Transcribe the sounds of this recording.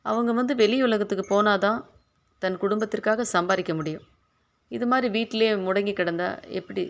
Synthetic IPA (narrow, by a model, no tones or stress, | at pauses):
ɐ̰ʋɐŋɡɐʋɐnd̪ɯʋɛɭɪjʊɭɐɣɐt̪ːɯkːɯpoːnaːt̪ãː | t̪ɐnkʊɽʊmbɐt̪ːɯrkːaːɣɐsɐmbaːðɪkːɐmʊɽɪjʊ̃ | ɪðɯmaːd̪ɾiʋiːʈːɪleːmʊɽɐŋɡikːɪɽɐnd̪a̰ːɛ̰pːɐɽi